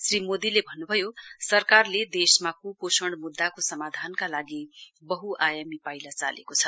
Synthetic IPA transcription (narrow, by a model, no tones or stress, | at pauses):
srimod̪ilebʱʌnːubʱʌjosʌrkarled̪esmakuposʌɳɽ̃ɖmud̪ːakosʌmad̪ʱankalaɡibʌɦuʔajamipajlat͡sa̰lḛkot͡sʰʌ̥